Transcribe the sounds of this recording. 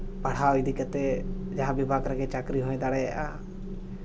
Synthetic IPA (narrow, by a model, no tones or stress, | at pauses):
paɽ̤awid̪ʱikət̪ɛ | d͡ʒaɦãbibʱaɡɾaɡɛt͡ʃakɾiɦɔ̃ɛ̃d̪aɽɛa̰ʔa